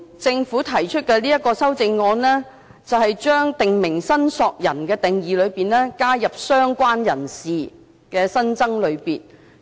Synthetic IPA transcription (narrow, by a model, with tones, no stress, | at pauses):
t͡sɪ˧ŋfuː˨˥t̪ʰɐ˨˩jt͡ʃʰɵ˥t̚kɛː˧liː˥jɐ˥t̚kːɔː˧sɐ˥wt͡sɪ˧ŋːɔː˧nlɛː˥ | t͡sɐ˨wɦɐ˨jt͡ʃœː˥ŋt̪ɪ˨ŋmɪ˨˩ŋsɐ˥nsɔː˧k̚jɐ˨˩nkɛː˧t̪ɪ˨ŋjiː˨˧lɵ˨˧ɥpiː˨nlɛː˥kaː˥jɐ˨p̚sœː˥ŋkʷaː˥njɐ˨˩nsiː˨ | kɛː˧sɐ˥nt͡sɐ˥ŋlɵ˨˧ɥpiː˨n